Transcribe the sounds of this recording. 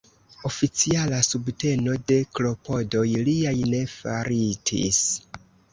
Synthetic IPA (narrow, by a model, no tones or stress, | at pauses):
o̞fit͡sialasubte̞no̞de̞klo̞po̞do̞jliajne̞fa̰ɾitʰḭs